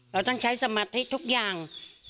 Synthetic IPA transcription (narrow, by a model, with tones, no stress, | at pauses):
ɾaː˧˩wt̪a˥˩ŋt͡ɕʰa˦˥jsa˧maː˧t̪ʰi˦˥t̪ʰu˦˥k̚jaː˨˩ŋ